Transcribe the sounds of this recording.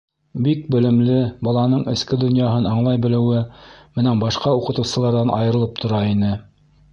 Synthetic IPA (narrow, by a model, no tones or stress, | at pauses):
bik̚bɘ̆lɘ̆mlɘbɑlˠɑnɤɴɘ̆skɘd̪ŏnjɑɦɤnɑɴlˠɑjbɘ̆lɘ̆wɘmɘnænbɑʃqɑuqɤ̆t̪ɤ̆wsɤ̆lˠɑɾðɑnʔɑ̰jɤ̆ɾɤ̆lˠɤp̚t̪ʰŏɾɑinɘ